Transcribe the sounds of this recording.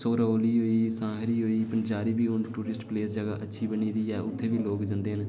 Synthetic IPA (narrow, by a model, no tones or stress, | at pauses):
soːɾoːliːɦoːiːsãːɦɾiːɦoːiːpənt͡ʃaːɾiːbiːʊnʈuːɾɪsʈpleːsd͡ʒəɡaːʔətːʃʰiːbəɳiːd̪iːɛːʔʊt̪ʰːeːbiːloːkd͡ʒãnd̪eːɦən